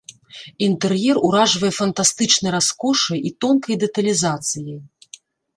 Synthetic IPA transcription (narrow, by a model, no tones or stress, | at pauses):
int̪ɛrjɛruɾaʐvɐjɛfɐnt̪ast̪ɨt͡ʂnɐjɾaskɔʂɨjit̪ɔnkɐjd̪ɛt̪ɐlʲizat̪sɨjij